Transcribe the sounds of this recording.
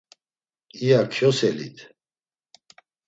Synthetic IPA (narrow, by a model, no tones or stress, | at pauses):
ijakʰjɔsɛlḭt̪ʰ